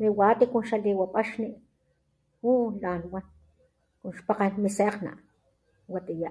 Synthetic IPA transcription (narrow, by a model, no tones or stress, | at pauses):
miwat̪ikunʃaliwapʼaʃniʔ | ulanwan | kunʃpaqanmiseqna̰ʔ | wat̪ijaʔ